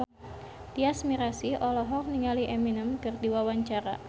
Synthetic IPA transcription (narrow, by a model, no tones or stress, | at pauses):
d̥iasmiɾasiʔɔlɔɦɔk̚niŋaliʔeminəmkɨrdiwawaɲt͡ʃaɾa̰